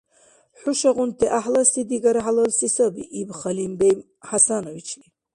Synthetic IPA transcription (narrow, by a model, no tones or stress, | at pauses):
ħuʃaʁʊnt̪ʰɛʔaħlasid̪iɡaɾaħalɐlsisɐbiʔibχɐlimbejm | ħasanovit͡ʃʰɡi